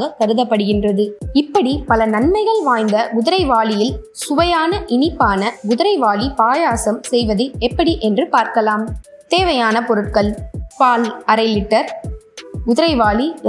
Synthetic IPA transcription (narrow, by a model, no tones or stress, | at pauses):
ɣɐk̪ːɐɾɯðɐpːɐɽɯɣɪndrɐðɯɪpːɐɽipɐlɐnɐnmɐɪɣɐɭʋaːjnd̪ɐɡʊðɪɾɐɪʋaːlɪjɪl | sʊʋɐjaːnɐʔɪnɪpːaːnɐɡʊðɪɾɐɪʋaːlipaːjaːsɐmsɛjʋɐðɯɛpːɐɽiʔɛndrɯpaːɾkɐlaːmt̪eːʋɐjaːnɐpɔɾɯʈ̚kɐɭpaːlɐɾɐɪlɪʈːɐɾ | ɡʊðɪɾɐɪʋaːli